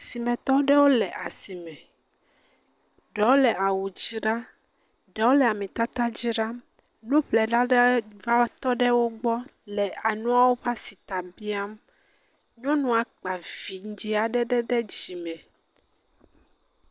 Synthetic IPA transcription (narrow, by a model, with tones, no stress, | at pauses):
si˨mɛ̃˨t̪ɔ˦ɖɛ˦wo˦lɛ˨ʔa˨si˨mɛ̃˨ | ɖɛ˨wo˦lɛ˨ʔa˨wu˨d͡ʑi˦ɖa˦ | ɖɛ˨wo˦lɛ˨a˨mɛ̃˨t̪a˦t̪a˦d͡ʑi˦ɖa˦ | nũ˦ɸlɛ˨ɖa˦ɖva˦t̪ɔ˦ɖɛ˦wo˦ɡ͡bɔ˦lɛ˨a˨nũ˦a˦wo˦va˦si˨t̪a˨bi˦a˦m | ɲɔ̃˦nũ˨a˨k͡pa˨vi˨ŋ̩˦d͡ʑi˦a˨ɖɛ˦ɖɛ˦ɖɛ˦d͡ʑi˨mɛ̃˨